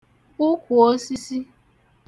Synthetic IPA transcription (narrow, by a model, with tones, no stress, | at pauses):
ʊ˦kʷu˨o˦si˦si˦